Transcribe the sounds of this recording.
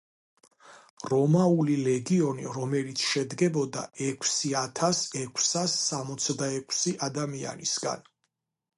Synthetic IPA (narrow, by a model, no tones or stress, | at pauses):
ɾɔmaulilɛɡiɔniɾɔmɛlit̪sʰʃɛd̪ɡɛbɔd̪a̰ʔɛkʰsiat̪ʰasɛkʰsasːamɔt̪sʰd̪aɛkʰsiʔad̪amia̰nḭsɡa̰n